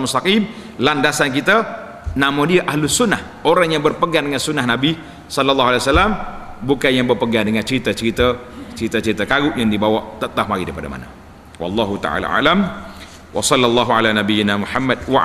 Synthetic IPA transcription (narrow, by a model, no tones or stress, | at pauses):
must̪aqim | landasank̬it̪a | namodiaʔahlʊsʊnːah | oɾaŋjaŋbərpəɡandəŋansunːahnabi | sɑlalːɑɦalewasalːam | bukanjaŋbərpəɡandəŋant͡ʃəɾit̪at͡ʃəɾit̪ət͡ʃəɾit̪at͡ʃəɾit̪əkaɡʊʔjaŋdibawaʔt̪ət̪ahmaɡidapada̰ma̰na̰ | wɑ̰lːɑɦut̪a̰ʕa̰la̰ʔa̰lam | wʔɑ̰sɑlːalˤːɑɦualanabijɪnamuħamːad̚wa